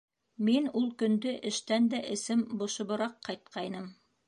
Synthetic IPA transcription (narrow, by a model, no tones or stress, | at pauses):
minulˠkɵ̆nd̪ɘʔɘ̆ʃt̪ænd̪æʔɘ̆sɘmbŏʃɤ̆βɤ̆ɾɑqːɑjt̪̚qʰɑjnɤm